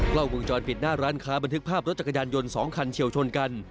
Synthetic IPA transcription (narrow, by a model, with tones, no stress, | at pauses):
kla˧˥˩wwu˧ŋt͡ɕɔː˧npi˨˩t̪̚naː˥˩ɾaː˦˥nkʰaː˦˥ba˧nt̪ʰɯ˦˥k̚pʰaː˥˩p̚ɾo˦˥t̪̚t͡ɕa˧˩ka˧jaː˧njo˧nsɔː˩˦ŋkʰa˧nt͡ɕʰi˨˩əwt͡ɕʰo˧nka˧n